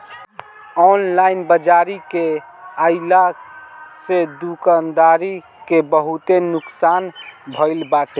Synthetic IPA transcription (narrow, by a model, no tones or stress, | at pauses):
ɔnlaɪnbəd͡ʒaɾike | əɪla | sed̪ukand̪aɾi | kebəɦut̪enʊksaːnbʱəɪlbaʈe